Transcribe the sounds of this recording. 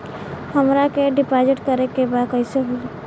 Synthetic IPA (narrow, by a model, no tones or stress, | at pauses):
həmɾakeɖipad͡ʒɪʈkəɾekebad̪̚kəɪseɦoi